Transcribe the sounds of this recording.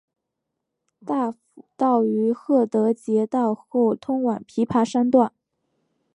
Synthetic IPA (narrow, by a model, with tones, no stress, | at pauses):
t̪a˥˩fu˨˩t̪ɑ˥˩ʊy˧˥xɤ˥˩t̪ɤ˧˥t͡ɕjɛ˧˥t̪ɑ˥˧ʊxo˥˩ʊt̪ʰʊ˥ŋwa˨˩npʰi˧˥pʰa˧˥ʂa˥nt̪wa˥˩n